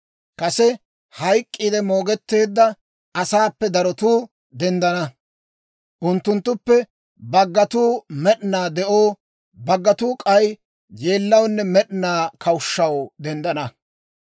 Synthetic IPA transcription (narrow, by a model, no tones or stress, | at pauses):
kɐsɛ | hɐjkʼːiːd̪ɛmoːɡɛt̪ːe̞ːd̪ːɐ | ɐsaːpːɛd̪ɐɾɔt̪uː | d̪ɛnd̪ɐnɐ | ʔʊnt̪ːʊnt̪ːʊpːɛ | bɐɡːɐt̪uːmɛɗnaːd̪ɛʔoː | bɐɡːɐt̪uːkʼɐj | je̞ːlːɐwnːɛmɛɗnaːkʰɐwʊʃːɐwd̪ɛnd̪ɐnɐ